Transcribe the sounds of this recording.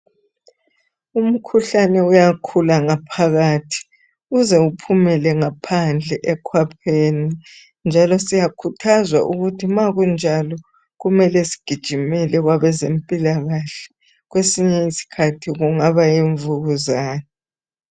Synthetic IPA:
um̩kʰuɬanɛujakʰulaŋapʰaɣatʰi̥ | ɣuzɛupʰumɛlɛŋapʰand͡ɮʱɛʔɛkʰwapʰeːni | nd͡ʒʱalɔsijakʰutʰazwa̰ʔuɣutʰimaɣund͡ʒʱalɔ | ɣumɛlɛsi̥ɡ̥ʱid̥ʒ̥ʱimɛlɛɣwaβɛzempʼilaɣaɬɛ̥ | ɣwesiɲɛisi̥kʰatʰiɣuŋaβajeɱvuɣuzaːnɛ

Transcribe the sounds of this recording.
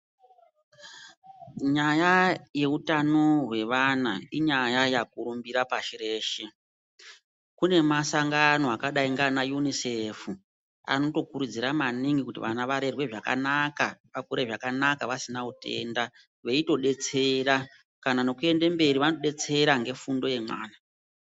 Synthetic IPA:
ɲajaje̞utano̞ɦwe̞ʋana̰iɲajajakuɾumbiɾapaʃireːʃe | kune̞masaŋɡano̞akaɗaiŋɡanajunisefu | a̰no̞to̞kuɾud͡ziɾamaniŋɡikutḭʋanaʋaɾe̞rwe̞ʐaka̰nakaʋakuɾeʐakanakaʋasinautʰe̞̰nda | ʋe̞ito̞ɗe̞t͡se̞ra | kanano̞kue̞nde̞mbe̞ɾiʋanoɗe̞t͡se̞ɾaŋɡe̞fundo̞je̞mwa̰ːna

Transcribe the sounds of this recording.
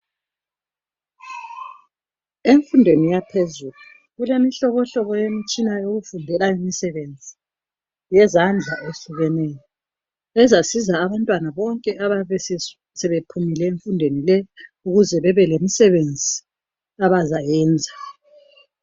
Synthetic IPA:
eɱfundʱwenijapʰezulu | ɣulemiɬɔβɔɬɔβɔjemit͡ʃʼinajoɣufundʱɛlaimisɛβend͡zʱi | jɛzand͡ɮʱaʔeɬuɣɛnɛjɔ | ɛzasizaːβantʼwanaβɔŋkʼɛʔaβaɛs | sɛβepʰumilɛeɱfundʱwenilɛuɣuzɛβɛβɛlemisɛβend͡zʱi | aβazajɛːnd͡zʱa

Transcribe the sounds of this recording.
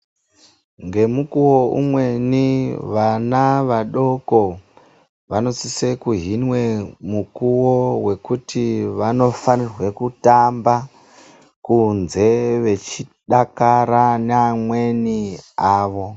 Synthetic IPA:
ŋɡe̞mukuwo̞ʔṵmwe̞niʋanaʋaɗo̞ko̞ | ʋano̞sisekuɦinwe̞mukuwo̞we̞kutʰiʋano̞fanirwe̞kutamba | kunze̞ʋe̞t͡ʃiɗakaɾaneamwe̞niaːʋo̞

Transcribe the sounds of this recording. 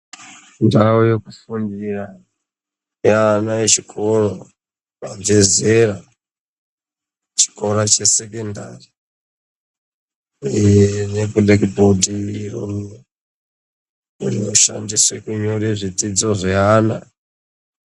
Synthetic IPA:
ndaojekufundira | janaet͡ʃikʰo̞ro | mave̞zera | t͡ʃi̥ko̞ɾat͡ʃe̞se̞kendari | nekulekbodiirom | urioʃa̰ndiswekuɲoɾeʐitid͡zo̞ʐeaːna

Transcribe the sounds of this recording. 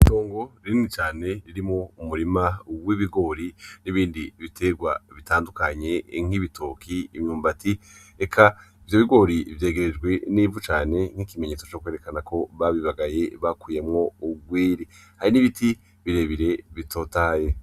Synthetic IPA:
ito̞ːŋɡo̞ɾinit͡ʃaːne̞ɾiɾimŋo̞umuɾimawiβiɡo̞ɾiniβiːndiβitʰe̞ɡwa̰βitaːndukaɲe̞ŋ̥hiβitʰokʰiimɲuːmbati | ekʰaivjo̞βiɡo̞ɾivje̞ːɡeɾed͡ʒɡwe̞niːvut͡ʃaːne̞ŋ̥hikime̞ɲet͡sot͡ʃo̞kweɾe̞kanakʰo̞βaβiβaɡaje̞βakuːje̞mŋo̞uɡwiːɾihaɾiniβitʰi | βiɾe̞βiɾe̞βitʰo̞ːtaːje̞

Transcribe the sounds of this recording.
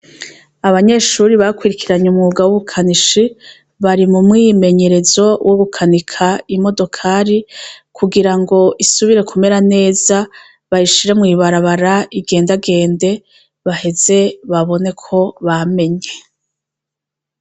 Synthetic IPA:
aβaɲe̞ʃuɾiβakwiɾikʰiɾaɲumŋuːɡawuβukʰaniʃi | βaɾimumŋime̞ɲe̞ɾe̞zo̞woɡukʰanikʰaimo̞do̞kʰaɾikʰuɡiɾaŋɡo̞ʔisuβiɾe̞kʰume̞ɾane̞ːz̥a | βajiʃiɾe̞mŋiːβaɾaβaɾaiɡe̞ːndaɡe̞ːnde̞ | βahe̞z̥e̞βaβo̞ne̞kʰo̞βame̞ɲe̞

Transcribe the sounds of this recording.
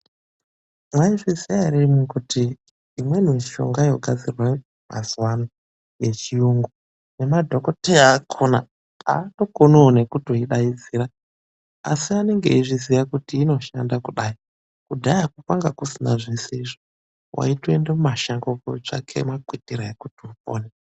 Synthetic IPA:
mwaifesiaɾimikutiː | mwe̞niʃo̞̰ŋɡajo̞ɡʱad͡zirwa | ma̰zuwano | je̞t͡ʃijuŋɡo | nemadʱo̞ko̞teaːkʰona̰ | a̰ːto̞konoːne̞kutoiɗaid͡ziɾa | a̰siane̞ŋɡe̞̰iʐizijakutiːno̞ʃandakuɗai | kudʱajakukwaŋɡakusina̰ʐiseiʐo | wʔa̰itwendemaʃaŋɡokot͡ʂa̰kʰe̞̰makwitiraekutiupo̰ːne

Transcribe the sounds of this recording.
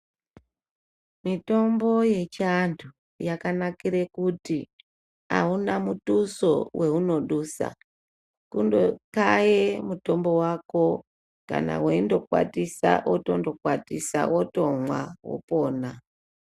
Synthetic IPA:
mito̞mbo̞je̞t͡ʃandʰu | jakanakiɾekuti | a̰unamutusowʔe̞uno̞ɗusa̰ | kundokajemuto̞mbo̞wako̞ | ka̰na̰weindo̞kwa̰tisa̰ʔoto̞ndo̞kwatisa̰wʔoto̞mwa̰wo̰po̞ːna

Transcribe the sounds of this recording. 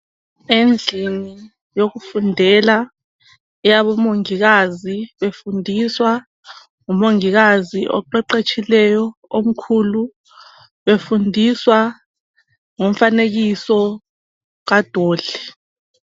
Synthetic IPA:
end͡ɮʱini | jok̬ufundʱɛla | ɛjaɓɔmoŋik̬aziɓefundʱiswa | ŋumoŋik̬aziʔɔ̰ǃɛǃet͡ʃʰilɛjɔom̩kʰulu | ɓefundʱiswa | ŋoɱ̩fanek̬isɔ | k̬ad̥ʱoːɮ̥ɛ

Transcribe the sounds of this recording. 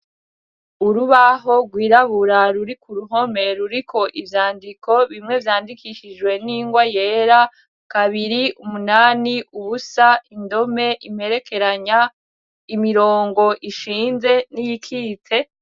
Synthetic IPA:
uɾuβaɦo̞ɡwiːɾaβuɾaɾuɾikuɾuɦo̞me̞ɾuɾikʰo̞ʔivjaːndiko̞βimŋe̞vjaːndikʰiʃid͡ʒwe̞niːŋɡwaje̞ːɾa | kaβiɾiumunaːniuβusaindo̞me̞ʔim̥e̞ɾe̞ke̞ɾaɲa | imiɾo̞ːŋɡo̞ʔiʃiːnze̞nijikʰiːtʰe̞

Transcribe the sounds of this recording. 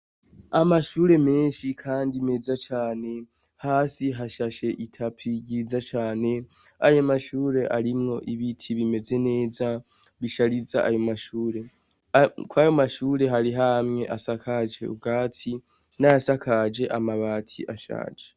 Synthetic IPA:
amaʃuːɾe̞me̞ːnʃikʰaːndime̞zat͡ʃaːne̞ | haːsiɦaʃaʃe̞ʔitʰapʰiɟizat͡ʃaːne̞ | ajomaʃuːɾe̞ʔaɾimŋo̞ʔiβitʰiβime̞ze̞ne̞ːza | βiʃaɾizaʔajo̞maʃuːɾe̞ | kwajo̞maʃuːɾe̞ɦaɾiɦamŋe̞ʔasakʰad͡ʒe̞̰ṵɡaːtʰi | najasakʰad͡ʒe̞ʔamaβatʰḭʔaʃa̰ːd͡ʒe̥

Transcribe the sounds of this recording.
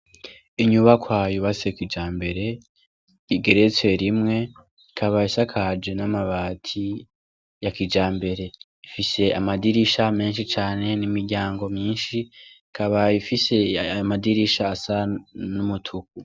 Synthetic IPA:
iɲuβakwaːjuβasekid͡ʒaːmbe̞ɾe̞ | iɡe̞ɾet͡swe̞ɾimŋe̞ | ikʰaβaisakʰad͡ʒenamaβaːtʰi | jakid͡ʒaːmbe̞ɾe̞ | ifise̞amadiɾiʃame̞ːnʃit͡ʃaːne̞nimiɾɟaːŋɡo̞mɲiːnʃi | kʰaβaifise̞jamadiɾiʃaːsanumutʰuku

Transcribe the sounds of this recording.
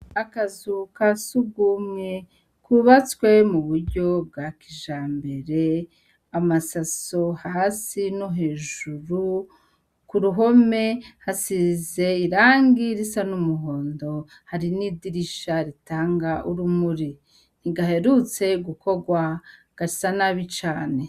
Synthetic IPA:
akazukasuɡumɲe | kʰuβat͡swe̞muβuɾɟo̞bɡakiʒaːmbe̞ɾe̞ | amasaso̞haːsinoɦe̞ːʒuɾu | kuɾuɦo̞me̞hasize̞iɾaːŋɡiɾisanumuɦo̞ːndo̞ | haɾinidiɾiʃaɾitaːŋɡaʔuɾumuɾi | niɡaɦe̞ɾut͡se̞ɡuko̞ɡwa | ɡ̥aisanaβit͡ʃaːne̞

